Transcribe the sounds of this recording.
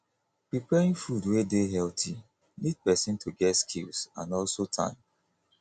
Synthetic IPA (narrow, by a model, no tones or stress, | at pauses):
pɹipɛɹĩŋfudwedeɦɛltʰi | nid̚pɛsɪ̃ntʰuɡɛtskʰilsã̰nɔlsotʰã̰ɪ̃m